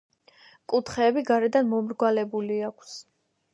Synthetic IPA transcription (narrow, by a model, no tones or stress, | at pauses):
kʼut̪ʰχɛːbiɡaɾɛd̪anmɔmɾɡwalɛbuliakʷʰs